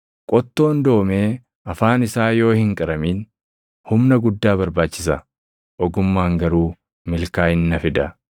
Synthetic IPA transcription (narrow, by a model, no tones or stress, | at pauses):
kʼɔt̪ːo̞ːnd̪o̞ːmeː | ɐfaːnɪsaːjo̞ːhɪŋkʼɐɾɐmiːn | hʊmnɐɡʊd̪ːaːβɐɾbaːt͡ʃːɪsɐ | ʔɔɡʊmːaːŋɡɐɾuː | mɪlkaːɪnːɐfɪd̪ɐ